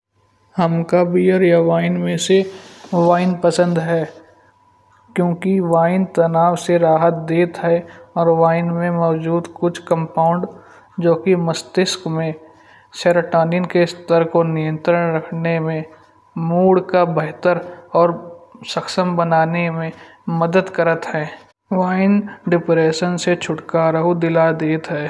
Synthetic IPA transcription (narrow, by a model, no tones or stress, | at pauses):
həmkabiːəɾjaʋaːɪnmẽseʋaːɪnpəsə̃nd̪ɦɛː | kjõːkiʋaːɪnt̪ɐnaːwseɾaːɦət̪̚d̪eːt̪ɦɛɔːɾʋaːɪnmẽmɔːd͡ʒuːd̪kʊt͡ʃʰkə̃mpaːʊɳɖ | d͡ʒoːkiməst̪ɪskmẽ | seɾəʈaːnɪnkest̪əɾkonɪjə̃nt̪ɾəɽ̃ɾəkʰnemẽ | muːɽkabɛɦt̪əɾɔːɾsəkʃəmbənaːnemẽ | məd̪əd̪kəɾət̪ɦɛː | ʋaːɪnɖɪpɾeːʃənset͡ʃʰʊʈkaːɾəɦod̪ɪlad̪eːt̪ɦɛː